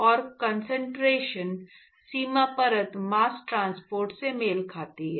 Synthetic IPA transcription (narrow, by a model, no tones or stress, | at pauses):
ɔːɾkɐ̃nsə̃ɳʈɾeːʃən | siːmapɐɾət̪maːsʈɾãːnspoːɾʈsemeːlkʰaːt̪iɦɛː